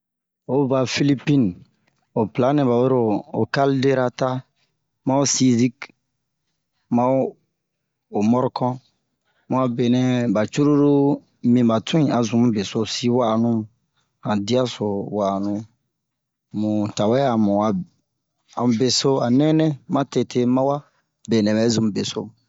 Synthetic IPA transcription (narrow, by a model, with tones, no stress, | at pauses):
o˦ba˨fi˦li˦pi˦n | o˨pla˨˦nɛ̃˨ba˨we˦ɾo˦o̰˨ka˦lde˦ɾa˦ta˦ | mã˦o˦si˦zi˦k | mã˦o˦ | o˨mɔ˦ɾɔ˦kɔ̃˦ | mũ˨˦a˨be˨nɛ̃˨ba˨t͡ʃu˦ɾu˦ɾu˦ | mĩ˨ba˨tʰũ˦ĩ˦a˨zũ˨m˦be˨so˦˨si˦wa˦˨nũ˦˨ | hã˨di˦a˦so˨wa˨nũ˦ | mũ˨ta˨wɛ˦a˨mũ˨a˨ | a˨mũ˨be˨so˦a˨nɛ̃˦nɛ̃˦mã˦te˨tʰe˦mã˦wa˦ | be˨nɛ̃˨bɛ˨˦zũ˨m˨be˨so˦